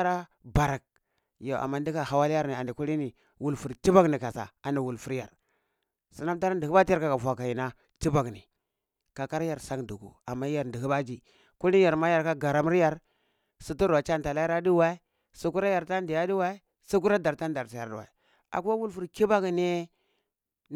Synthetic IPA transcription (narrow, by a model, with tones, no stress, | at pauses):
a˦ɾa˦ba˨ɾa˨k̚ | jo˨ʔa̰˨mːa˦n˦di˦ka˨ɦa˨wa˦lja˦ɾni˨a˨ndi˨ku˦li˦ni˨ | wu˦˨lfu˨ɾti˦ba˦kni˨ka˨sa̰˨a˨ni˨wu˨lfu˦ɾja̰˨ɾ | si˨˦na˦mta˦ɾa˦ndi˨i˦ba˦d͡ʒi˦ja˦ɾka˨ka˨vʷa˨ka˨ji˨na˦ | ti˦ba˨ɡnḭ˨ | ka˨ka˦ɾja˨ɾsa˦kdu˨ɡṵ˨a˨mːa˦a˨ɾndi˨ɦi˦ba˦d͡ʒi˨ | ku˦li˦a˨ɾma˦ja˨ɾka˦ɡa˨ɾa˨m˦ɾja˦ɾ | su˦tu˦ɾwa˨t͡ʃa˦nta˨la˦i˦ɾa˦di˦wa˦i˦ | su˦ku˦ɾa˦ja˨ɾta˦n˦di˨ja˦di˦wa˦i˦ | su˦k̬u˦ɾa˦da˨ɾta˦n˦da˨ɾti˨ja˨ɾdṵ˨wa̰˨i˨ | a̰˨ku˦wa˦wu˦lfu˦ɾki˦ba˦kne˦